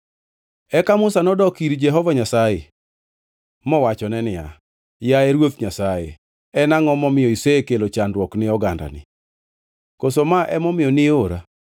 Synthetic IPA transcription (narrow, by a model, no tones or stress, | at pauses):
ɛkamʊsanɔdɔkiɾd͡ʒɛɦɔvaɲasaje | mɔwat͡ʃɔnɛnɪja̰ | jaɛɾwot̪ɲasajḛ | ɛnaŋɔmɔmɪjɔiseekelot͡ʃandwɔknɪɔɡanda̰nɪ̰ | kosomaʔɛmɔmɪjɔnɪoɾa̰